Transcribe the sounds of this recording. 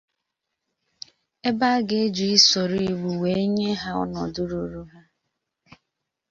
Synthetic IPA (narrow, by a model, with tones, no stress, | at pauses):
e˦ba˦ɡe˨˦e˦d͡ʒu˨i˦sɔ˨ɾi˦˨˦ɡ͡bu˨we˦e˦ɲe˦ɦa˦ɔ̰˦nɔ̰˨du˦ɾu˨˦ɾu˦ɦa˦